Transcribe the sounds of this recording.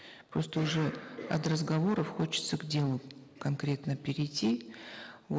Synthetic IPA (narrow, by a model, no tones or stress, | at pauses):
pɾo̞st̪əʊʐɛɐ̰t̪rəzɡɐvo̞ɾəfxo̞t͡ɕɪ̥t̪səɡdʲe̞lˠʊ | kɐnkɾʲe̞t̪nəpʲɪɾʲɪjtʲːi